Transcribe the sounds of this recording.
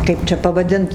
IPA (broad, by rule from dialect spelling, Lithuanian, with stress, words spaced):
ˈkɐɪp t͡ʃʲɛ pɐʋɐˈdʲɪnt